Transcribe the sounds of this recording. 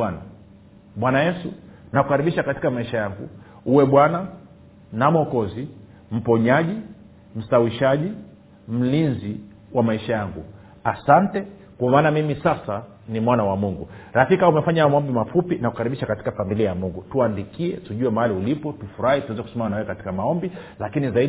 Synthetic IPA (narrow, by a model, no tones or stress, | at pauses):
wana | ɓwanajɛsunakukaɾiɓiʃakati̥kamaiʃajaŋɡṵ | uwɛɓwana | namɔkɔzi | m̩pɔɲaʄi | m̩sawiʃaʄi | m̩linzi | wamaiʃajaŋɡṵ | asantɛ | kwaamaːnamimisasa | nimwanawamuŋɡuɾafikaumɛfaɲaamaɔmbimafupinakukaɾiɓiʃakati̥kafamiliajamuŋɡutuandikiɛtuʄuɛmahaliulipɔtufuɾahituwɛzɛku̥sɛmaanawɛɛkati̥kamaɔmbilakinizai